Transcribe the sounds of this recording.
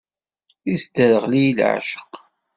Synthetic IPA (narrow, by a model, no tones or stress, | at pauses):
isd̪əɾəʁlijilʕa̰ʃə̥q